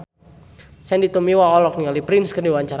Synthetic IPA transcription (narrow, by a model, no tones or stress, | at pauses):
sɛndit̪umiwaɔlɔk̚niŋalipɾɪnskərdiwaɲt͡ʃaɾ